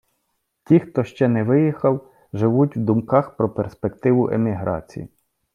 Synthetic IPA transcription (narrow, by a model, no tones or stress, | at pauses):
tʲixt̪ɔʃt͡ʃɛnɛʋɪjixɐw | ʒɪʋutʲwd̪ʊmkɑxpɾɔperspekt̪ɪʋʊʔḛmʲiɦɾɑ̰t͡sʲḭjḭ